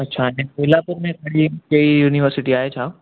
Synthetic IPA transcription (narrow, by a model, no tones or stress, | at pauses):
ətːt͡ʃʰaɦẽpoilapuɾmẽkəɽ̤iːkeijuːniʋəɾsɪʈiːaɦet͡ʃʰaːʋo